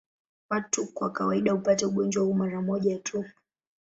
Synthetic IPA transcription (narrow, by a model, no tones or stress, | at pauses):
watukwakawaiɗahupatɛuɠɔnd͡ʒwahumaɾamɔʄatʰupu